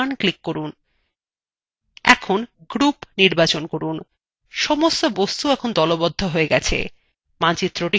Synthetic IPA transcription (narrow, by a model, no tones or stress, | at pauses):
nklikːoɾun | ɛ̰kʰonɡɾupniɾbat͡ɕonkoɾun | ʃɔmost̪obost̪uɛkʰond̪ɔlobod̪ʱːoɦoeɡɛt͡ɕʰḛ | mat͡ɕit̪ːɾoʈi